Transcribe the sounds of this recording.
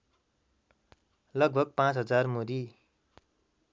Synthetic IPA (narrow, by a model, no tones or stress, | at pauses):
lʌɡ̚bʱʌɡ̚pãt͡sɦʌd͡zarmoɾi